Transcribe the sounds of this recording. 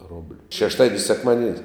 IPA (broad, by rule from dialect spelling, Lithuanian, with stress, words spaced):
ˈroːbʲlʲʊ ʃʲɛʃˈtɑːdʲiɛnʲsʲ sʲɛkˈmɑːdʲiɛnʲsʲ